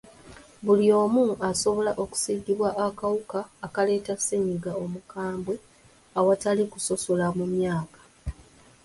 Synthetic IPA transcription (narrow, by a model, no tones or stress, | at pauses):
βulio̞ːmuaso̞βo̞laʔo̞ku̥siɟːiβwaʔːkawukaːkale̞ːtaseɲiɡao̞mukaːmbwe | awatalikuso̞so̞lamumjaːkḁ